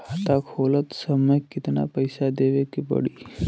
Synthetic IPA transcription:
at̪akʰolət̪səməjkːit̪na̰pəjsad̪eʋekipə̰ɽiː

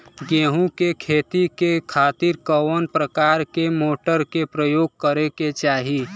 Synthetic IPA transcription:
ɡeːɦũkekʰeːt̪ik̪ekʰaːt̪ɪɾkəwənpɾəkaːɾkemoːʈəɾkepɾəjoːɡ̚kəɾeket͡ʃaːɦi

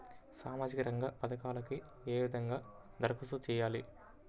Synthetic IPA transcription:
saːmaːd͡ʒikɐɾɐŋɡapɐd̪ɐkaːlɐki | eːʋid̪ʱɐŋɡaː | d̪ɐɾɐkʰusut͡ʃɛːjaːli

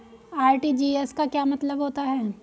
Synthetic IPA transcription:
aːɾʈiːd͡ʒiːeskakjaːmɐt̪ləbɦoːt̪aɦɛː

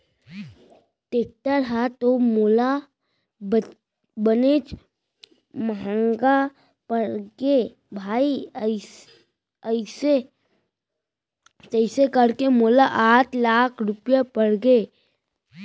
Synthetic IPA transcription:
ʈeːk̚ʈəɾɦɛt̪omoːla | b | bəneːt͡ʃ | məɦə̃ŋɡa | pəɽɡe | bʱaːi | əɪse | d͡ʒəɪsekəɽkemoːlaʔaːʈʰlaːkʰɾʊpjapəɽɡeː

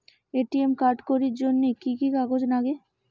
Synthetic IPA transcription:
eʈiemkaɾʈkoɾiɾd͡ʑonːikikikaɡod͡ʑnaɡe

